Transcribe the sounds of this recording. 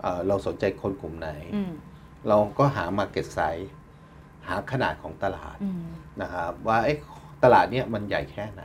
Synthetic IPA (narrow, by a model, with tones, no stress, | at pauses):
ʔəː˨˩ɾa˧wso˨˩˦nt͡ɕa˧jkʰo˧nku˨˩mna˩˦j | ɾa˧wkɔː˥˩ɦaː˩˦maː˧ke˨˩t̪̚sa˦˥j | haː˩˦kʰa˧na̰ː˨˩t̪̚kʰɔː˩˦ŋt̪a˧la̰ː˨˩t̪̚na˦˥kʰa˦˥p̚waː˥˩ʔe˦˥˩jt̪a˧laː˨˩t̪̚ni˦˥˩ɐma˧nja̰ː˨˩jkʰɛː˥˩na̰˩˦j